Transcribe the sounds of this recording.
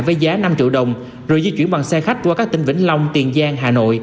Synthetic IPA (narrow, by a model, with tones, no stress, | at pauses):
jvəː˨˦jzaː˨˦na˧mt͡ɕɨ̰˧əwɗə˨˩wŋ͡m | zo˨˩jzi˧t͡ɕwi˧˩ənɓa˨˩ŋsɛ˧xa˦˥k̟̚kwaː˧kaː˦˥k̚t̪ï˧ŋ̟vḭ˧˥ŋ̟la˧wŋ͡mt̪i˨˩ənzaː˧ŋɦaː˨˩no̰˧˨jʔ